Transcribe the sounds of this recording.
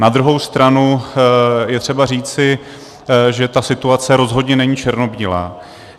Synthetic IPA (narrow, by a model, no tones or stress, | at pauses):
nad̪ɾuɦo̞wst̪ɾanu | jɛt̪r̝̥ɛbariːt͡sɪ | ʒɛt̪asɪt̪uat͡sɛɾo̞zɦo̞dɲɛnɛɲiːt͡ʃɛɾno̞biːla̰ː